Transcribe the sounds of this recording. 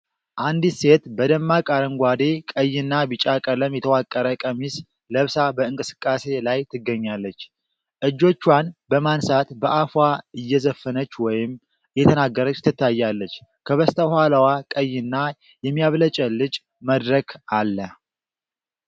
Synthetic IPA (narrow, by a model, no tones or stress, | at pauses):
ʔand̪ise̞t̪bəd̪əmːakʼaɾəŋɡʷad̪e̞kʼəjːɪnːabɨt͡ʃʼakʼələmjɛt̪ʰəwakʼːəɾəkʼəmis | ləβsabəɨŋkʼɨsɨ̥kʼːase̞lajt̪ʰɨɡːəɲːalːət͡ʃː | ʔɨd͡ʒːo̞t͡ʃːwanbəmansat̪bəʔafwaɨjːɛzəfːənət͡ʃːwɔjɪm | ɨjːɛt̪ʰənaɡːəɾət͡ʃːt̪ʰɨt̪ːajːalːət͡ʃːkʰəβəst̪ʰəhaləwakʼəjːɪnːa | jɛmːijaβlət͡ʃʼəlɨt͡ʃʼ | məd̪ɾəkalːə